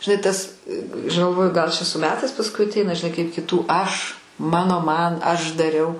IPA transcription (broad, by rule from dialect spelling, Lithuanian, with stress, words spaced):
ʒʲɪˈnɐɪ ˈtɐs ɐʃ ɡɐlˠˈʋoːjʊ ɡɐlˠ t͡ʃʲɛ sʊ ˈmʲæːtɐɪs pɐsˈkʊɪ ɐtʲˈɛɪnɐ ʒʲɪˈnɐɪ kɐɪp kʲɪˈtuː ˈɐʃ ˈmɑːnoː ˈmɐn ˈɐʃ dɐˈrʲɛʊ